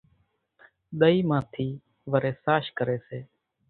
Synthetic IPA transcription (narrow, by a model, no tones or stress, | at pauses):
ɗ̪əiːmãːt̪ʰiː | ʋəɾeːsaːʃkəɾeːseː